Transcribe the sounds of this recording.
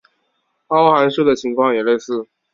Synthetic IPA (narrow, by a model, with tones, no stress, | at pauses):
ɑ˥ʊxa˧˥nʂu˥˩d̪ə˩t͡ɕʰi˧˥ŋkʰwɑ˥˩ŋjɛ˨˩le˥˧ɪsɹ̩˥˩